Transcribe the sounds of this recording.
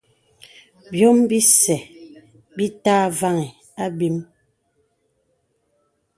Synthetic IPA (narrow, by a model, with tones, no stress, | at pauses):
bjɔ˦mbi˦sɛ˨ | bi˦taː˦va˦ŋɛ˨ | a˦bi˦m